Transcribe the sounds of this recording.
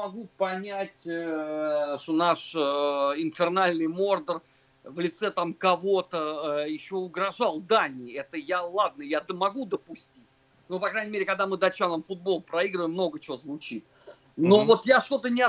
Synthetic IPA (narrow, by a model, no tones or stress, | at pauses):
mɐɡupɐnʲætʲə | ʂt̪onaʂ | ɪnfʲɪrnalʲnɨjmo̞rd̪ər | vlʲɪt̪sɛt̪amkɐvo̞t̪əjɪɕːo̞ʊɡɾɐʐalˠd̪anʲɪɛt̪əjalˠad̪̚nəjad̪mɐɡud̪əpʊsʲtʲitʲ | nopɐkɾajnʲɪmʲeɾʲɪkɐɡd̪amɨd̪ɐt͡ɕanəmfʊd̪̚bo̞lˠpɾɐiɡɾəvəjmːno̞ɡət͡ɕɪozvʊt͡ɕit̪̚ | novo̞t̪jaʂt̪o̞t̪ənʲɪɐ